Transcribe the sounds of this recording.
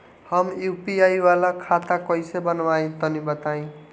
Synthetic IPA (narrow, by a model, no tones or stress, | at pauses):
hʌmjupiajwalakʰat̪akʌjsebʌnwaĩt̪ʌnibʌt̪aĩ